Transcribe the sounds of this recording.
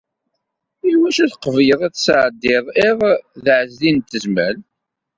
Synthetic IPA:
iwæʃæðqəvjəðˤæθsʕd̪ːɪðˤɪʁðʕəzlint̪ːəzməl

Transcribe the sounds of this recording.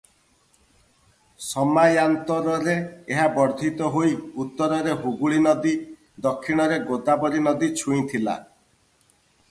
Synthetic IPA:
sɔmajant̪ɔɾɔɾeeɦabɔɾd̪ʱit̪ɔɦojut̪ːɔɾɔɾeɦuɡuɭinɔd̪i | d̪ɔkʰːiɽ̃ɔɾeɡod̪abɔɾinɔd̪it͡ʃʰuĩt̪ʰila̰

